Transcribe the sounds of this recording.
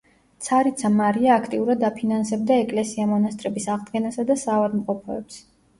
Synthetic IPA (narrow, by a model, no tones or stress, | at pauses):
t̪sʰaɾit̪sʰamaɾiaːkʰt̪ʼiuɾad̪apʰinansɛb̚d̪aɛkʼlɛsiamɔnast̪ʼɾɛbisaʁd̪ɡɛnasad̪asavad̪mqʼɔpʰɔɛps